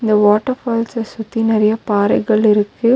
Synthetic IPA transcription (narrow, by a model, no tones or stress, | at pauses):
ɪnd̪ɐʋoːʈːɐɾfaːlsɐsʊt̪ːinɪɾɪjɐpaːɾɐɪɣɐɭɪɾɯkːɯ